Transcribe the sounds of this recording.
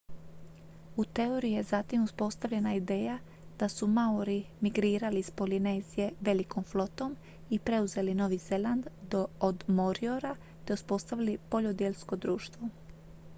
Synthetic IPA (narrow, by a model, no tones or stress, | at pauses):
ut̪eoɾije̞zat̪imuspo̞st̪aʋʎe̞naid̪e̞ːja | d̪̥asumauɾimiɡɾiːɾalispo̞line̞zije̞ʋe̞liko̞mflˠo̞t̪o̞m | ipɾe̞uze̞lino̞ʋize̞lˠand̪d̪ood̪moɾio̞ɾa | t̪e̞uspo̞st̪aʋilipo̞ʎo̞d̪jeʎsko̞d̪ɾuːʃt̪ʋo̞